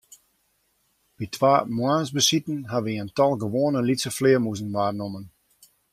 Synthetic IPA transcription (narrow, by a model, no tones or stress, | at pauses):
b̥itʰʋaːmwansbəsitən̩ɦaʋiəntɔlˠɡəʋoːnəlitsəflɪəmuzənʋaːrnomən